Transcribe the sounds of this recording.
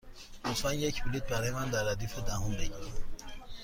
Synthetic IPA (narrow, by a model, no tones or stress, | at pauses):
osfænjecʰbilit̪̚bæɾɒjemænd̪æɾːæd̪iːfed̪æɦombeɟiɾæ